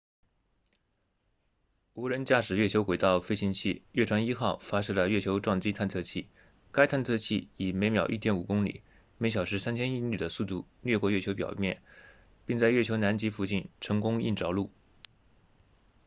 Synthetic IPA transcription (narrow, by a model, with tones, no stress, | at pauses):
u˧˥ɻə˧˥nt͡ɕja˥˩ʂɻ̩˨˩ɥɛ˥˩t͡ɕʰjo˧˥ʊke˨˩ɪt̪ɑ˥˩ʊfe˥ɪɕi˥nt͡ɕʰi˥˩ɥɛ˥˩ʈ͡ʂʰwa˥ni˥xɑ˥˩ʊfa˥ʂɤ˥lə˨ɥɛ˥˩t͡ɕʰjo˧˥ʊʈ͡ʂwɑ˥˩ŋt͡ɕi˥t̪ʰa˥˧nt͡sʰɤ˥˧t͡ɕʰi˥˩ | ka˥ɪt̪ʰa˥˧nt͡sʰɤ˥˧t͡ɕʰi˥˩i˨˩me˧˥ɪmjɑ˨˩ʊʔi˥˩t̪ʰjɛ˥˩nu˨˩kʊ˥ŋlḭ˨˩˦ | me˧˥ɪɕjɑ˨˩ʊʂɻ̩˧˥sa˥nt͡ɕʰjɛ˥ni˥˧ny˨˩d̪ə˦su˥˧t̪u˥˩lɥɛ˥˧kwɔ˥˧ɥɛ˥˩t͡ɕʰo˧˥ʊp̬jɑ̰˨˩ʊmjɛ̰˥˩n | pi˥˧ŋt͡sa˥˧ɥɛ˥˩t͡ɕʰjo˧˥ʊna˧˥nt͡ɕi˧˥fu˧˥˧t͡ɕi˥˩nʈ͡ʂʰɤ˧˥ŋkʊ˥ŋḭ˥˩nʈ͡ʂɑ˥ʊlu˥˩